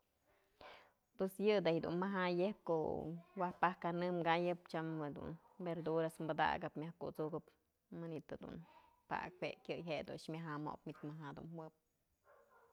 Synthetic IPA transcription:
pwesjɨd̪ajd̪ṵnmaɦajep̚ko̰ʔwahpahkanɨmɡajɨp̚t͡ʃamed̪ṵn | beɾd̪uɾasmbad̪a̰ɡɨpmʲahkut͡suɡɨp | mɨnit̪ɨd̪ṵn | pa̰k̚wekʲjɨjɦed̪ṵʃmʲaɦamo̰p̚mit̪maɦad̪ṵnhwɨp̚

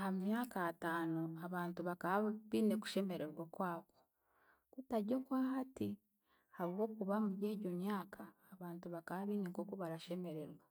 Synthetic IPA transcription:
ahamumjaːkataːnoaβaːntuβakaβaβiːneku̥ʃe̞me̞ɾe̞ɾwakwaːko | kutaɟokwaːhati | haβuwo̞ːkuβamuɟe̞ːɟo̞mjaːkʰaːβaːntuβakaβaβiːneŋko̞koβaɾaʃe̞me̞ɾe̞ɾwa

